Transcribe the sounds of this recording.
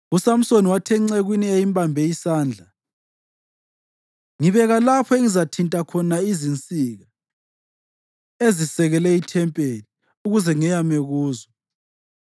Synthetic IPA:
usam̩soniwatʰɛŋ͡ǀeɣwiniejimbʱambʱɛisaːnd͡ɮʱa | ŋiβɛɣalapʰɔeŋizatʰintʼakʰɔnaizint͡sʼiɣa | ezisɛɣɛlɛitʰɛmpʼeli | uɣuzɛŋɛjameɣuːzɔ

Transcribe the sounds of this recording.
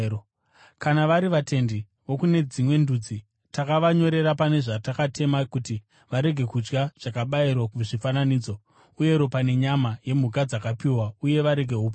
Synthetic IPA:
kanaʋaɾiʋatʰe̞ndi | ʋo̞kune̞d͡zimwe̞ndud͡zi | takaʋaɲo̞ɾe̞ɾapane̞ʐatakate̞makuti | ʋaɾe̞ɡʱe̞kud͡ʒɡaʐ̥akaɓairwakuʐifananiːd͡zo̞ | uje̞ɾo̞pane̞ɲamaje̞muɡad͡zakapiwauje̞ʋaɾe̞ɡʱe̞ɦupo

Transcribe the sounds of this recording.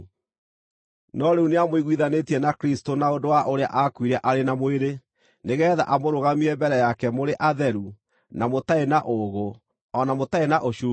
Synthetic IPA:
nɔɾeuneamoiɣwiðanetiɛnakɾistonaondowaʔoɾea̰ʔakwiɾɛʔaɾenamoeɾe | neɣɛːða̰ʔamoɾoɣamiɛmbɛɾɛjakɛmoɾeʔaðɛɾu | namotaenaʔoɣo | ɔnamotaenaʔoʃuː

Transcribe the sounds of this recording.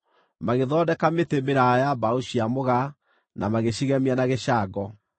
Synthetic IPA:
maɣeðɔːdɛkametembeɾajabaoɕiamoɣa | namaɣeɕiɣɛmianaɣeɕaɡɔ

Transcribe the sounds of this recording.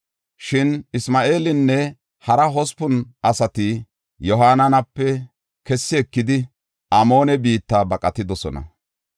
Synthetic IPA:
ʃɪnɪsmaːʔe̞ːlɪnːɛ | hɐɾɐɦɔspʊnʔɐsɐt̪ɪ | jɔɦaːnɐnɐpːɛ | kɛsːɪɛkːɪd̪ɪ | ʔɐmo̞ːnɛbiːt̪ːaːbɐkʼɐt̪ːɪd̪ɔsɔ̰nɐ̰

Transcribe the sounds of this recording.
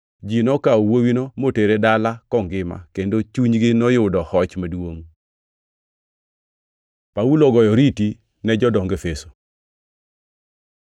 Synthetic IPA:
d͡ʒinɔkawowinomoteɾedalakɔŋɡɪma̰kendot͡ʃuɲɡɪnɔjʊdɔhɔt͡ʃmadwoŋ | paulɔɡɔjɔɾiti | nɛd͡ʒɔdɔŋɡefeso̥

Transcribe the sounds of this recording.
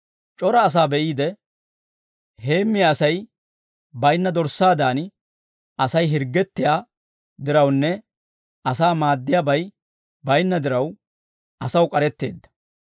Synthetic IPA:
t͡ʃʼɔɾɐːs̬aːbɛʔiːd̪ɛ | he̞ːmːɪjɐsɐj | bɐjnːɐd̪ɔɾsaːd̪aːn | ʔɐsɐjɦɪɾɡːɛt̪ːɪjaː | d̪ɪɾɐwnːɛ | ɐsaːmaːd̪ːɪjabɐj | bɐjnːɐd̪ɪɾɐw | ɐsɐwkʼɐɾɛt̪ːe̞̰ːd̪ːɐ̥

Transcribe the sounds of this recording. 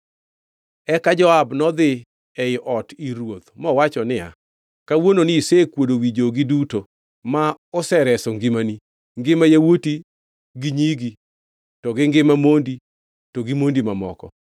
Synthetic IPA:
ɛkad͡ʒɔabnɔd̪ɪ | ɛʔɔtiɾwot̪mɔwat͡ʃɔnɪa̰ | kawononɪisekwodowid͡ʒoɡiduto | maɔsɛɾɛsɔŋɡɪmani | ŋɡɪmajawoti | ɡiɲiɡi | tɔɡɪŋɡɪmamondi | tɔɡimondimamɔ̰kɔ̰

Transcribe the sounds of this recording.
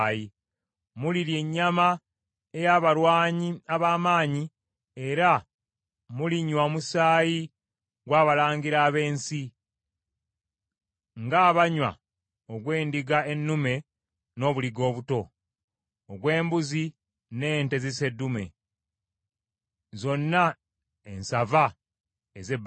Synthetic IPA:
ji | muliɾje̞ɲːama | e̞jaːβaɾwaːɲiaβaːmaːɲi | eɾa | muliɲwamusaːji | ɡwaːβalaːŋɡiɾaːβe̞ːnsi | ŋɡaːβaɲwa̰ | oɡwe̞ːndiɡae̞nːume̞ | no̞ːβuliɡo̞ːβuto̞ː | ɡwe̞ːmbuzi | ne̞ːnte̞zise̞dːume̞̰ | zo̞nːa | ensava | ezeb

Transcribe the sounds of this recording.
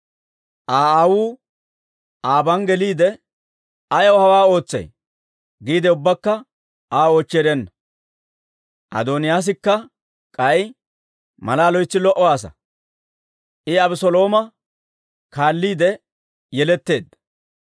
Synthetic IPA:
ʔaːawuː | aːbɐnɡɛliːd̪ɛ | ɐjɐwhɐwaːo̞ːt͡sːɐ̰j | ɡiːd̪ɛʊbːɐkːɐ | aːoːt͡ʃːeːɾɛnːɐ | ʔɐ̰d̪oːnɪjaːs̬ɪkːɐ | kʼɐj | mɐlaːlɔjt͡sːɪlɔʔɔwaːsɐ̰ | ʔɪɐbɪsɔlo̞ːmɐ | kaːlːiːd̪ɛ | jɛlɛt̪ːe̞ːd̪

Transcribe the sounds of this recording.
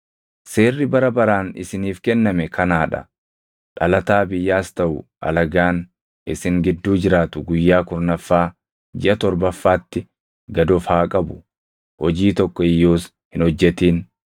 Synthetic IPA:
se̞ːrːɪbɐɾɐbɐɾaːnɪ̰sɪniːfkɛnːɐmɛkʰɐnaːᶑɐ̰ | ᶑɐlɐt̪aːbɪjːaːst̪ɐʔʊʔɐ̰lɐɡaːn | ɪsɪŋɡɪd̪ːuːd͡ʒɪɾaːt̪ʊɡʊjːaːkʊɾnɐfːaː | d͡ʒɪʔɐt̪ɔɾbɐfːaːt̪ːɪ | ɡɐd̪ɔfhaːkʼɐbʊ̥ | hɔd͡ʒiːt̪ɔkːɔɪjːoːs | hɪnhɔd͡ʒːɛt̪iːn

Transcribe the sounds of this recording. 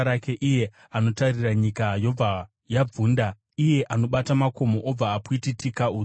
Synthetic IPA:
ɾake̞ʔije̞ | ano̞tariraɲikajo̞b͡va | jab͡vuːnda | ije̞ʔano̞ɓatamako̞mo̞ʔob͡vaːkuititikauː

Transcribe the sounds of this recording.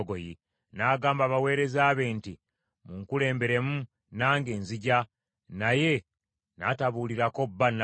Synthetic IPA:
ɡoji | naːɡaːmbaβawe̞ːɾe̞zaːβe̞nti | muŋkule̞ːmbe̞ɾe̞mu | naːŋɡeːnziɟa | naje̞ | nataβuːliɾako̞bːana

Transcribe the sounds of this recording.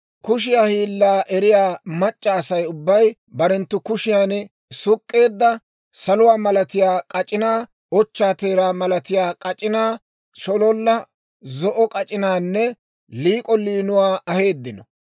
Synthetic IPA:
kʊʃ̬ɪjaːhiːlːaːʔɛɾɪjaːmɐt͡ʃʼːaːsɐjʊbːɐj | bɐɾɛnt̪ːʊkʊʃɪjaːn | sʊkʼːe̞ːd̪ːɐ | sɐlʊwaːmɐlɐt̪ɪjaːkʼɐt͡ʃʼɪnaː | ɔt͡ʃːaːt̪e̞ːɾaːmɐlɐt̪ɪjaːkʼɐt͡ʃʼɪnaː | ʃɔlɔlːɐ | zɔʔɔkʼɐt͡ʃʼɪnaːnːɛ | liːkʼɔliːnʊwaːʔɐhe̞ːd̪ːɪnɔ

